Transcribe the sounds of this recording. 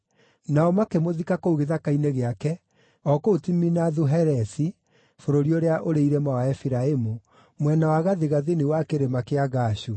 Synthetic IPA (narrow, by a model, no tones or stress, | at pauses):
naɔmakemoðikakouɣeðakaineɣeakɛ | ɔkoutiminaðuɦɛɾɛsi | foɾoɾioɾeaʔoɾeiɾɛmawaɛfiɾaemu | mwɛnawaɣaðeɣaðenewakeɾemakeaɣaːʃu